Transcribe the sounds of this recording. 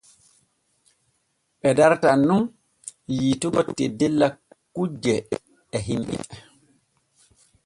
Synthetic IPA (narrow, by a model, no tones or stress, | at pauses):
ɓɛdaɾtanːum | jiːtuɡɔtːɛdɛlːa | kud͡ʒɛː | ɦimɓḭɛ